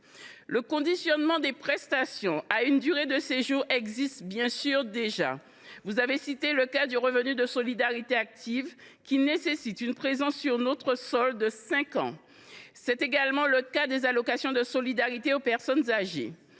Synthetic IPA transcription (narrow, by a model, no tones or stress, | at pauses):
ləkɔ̃d̪isjɔnmɑ̃d̪epχɛst̪asjɔ̃aynd̪yʁed̪əseʒuʁɛɡzist̪bjɛ̃syʁd̪eʒa̰ | vuzavesit̪eləkad̪yʁəvənyd̪əsolid̪aʁit̪eak̚t̪ʰiv | kʲinesesit̪ynpχezɑ̃sːyʁnot̪χəsɔld̪əsɛ̃kɑ̰̃ | sɛt̪eɡalmɑ̃ləkad̪ezalokasjɔ̃d̪əsolid̪aʁit̪eopɛʁsɔnzaʒḛ